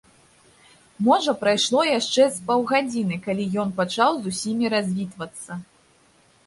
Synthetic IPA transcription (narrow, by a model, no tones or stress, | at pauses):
mɔʐɐpɾajʂlˠɔjaʂt͡ʂɛspawɣad͡zʲinɨkalʲijɔnpat͡ʂawzusʲimʲiɾazʲvʲit̪vɐt̪sːɐ